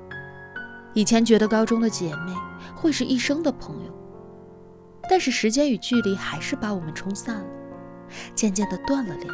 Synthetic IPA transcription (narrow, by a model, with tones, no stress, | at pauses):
i˨˩t͡ɕʰjɛ˧˥nt͡ɕɥɛ˧˥d̪ə˧kɑ˥ʊʈ͡ʂʊ˥ŋd̪ə˨t͡ɕjɛ˨˩me˥˩ɪxwe˥˧ɪʂɻ̩˥˧ʔi˥˩ʂɤ˥ŋd̪ə˨pʰɤ˧˥ŋjo̰˧ʊ | t̪a˥˧nʂɻ̩˥˩ʂɻ̩˧˥t͡ɕjɛ˥ny˨˩t͡ɕy˥˩li˧˩xa˧˥ɪʂɻ̩˥˩pa˧˥wɔ˨˩mə˦nʈ͡ʂʰʊ˥ŋsa˥˩nlə˩ | t͡ɕjɛ˥˧nt͡ɕjɛ˥˩nd̪ə˩t̪wa˥˩nlə˩li˨˥˩